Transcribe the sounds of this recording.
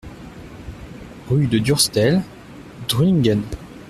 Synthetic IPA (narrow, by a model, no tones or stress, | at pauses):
ʁyd̪əd̪yʁst̪ɛl | d̪̥ʁiŋɡɛn